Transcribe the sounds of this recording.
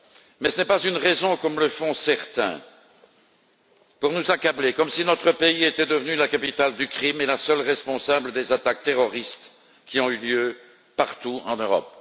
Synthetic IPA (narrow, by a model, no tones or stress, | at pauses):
mɛsənɛpazynʁɛzɔ̃kɔmləfɔ̃sɛʁt̪ɛ̰̃ | puʁnuzakablekɔmsinɔt̪χəpeiet̪ɛd̪əvnylakapit̪ald̪ykχimelasœlʁɛspɔ̃sabləd̪ezat̪ak̚t̪eʁɔʁist̪ | kʲiɔ̃yljø | paʁt̪uɑ̃nøʁɔ̰p̚